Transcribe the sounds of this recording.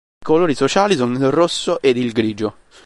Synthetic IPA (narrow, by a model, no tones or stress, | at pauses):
koloːɾisot͡ʃaːlisɔnilrosːoʔed̪ilɡɾiːd͡ʒo